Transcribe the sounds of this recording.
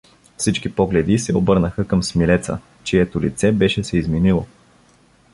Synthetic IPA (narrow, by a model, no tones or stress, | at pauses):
fsit͡ʃkipɔɡlɛd̪isɛobɤɾnəxəkəmsmilɛt̪sə̰ | t͡ʃɛɛt̪ʊlit̪sɛbɛʃɛsɛizminilˠo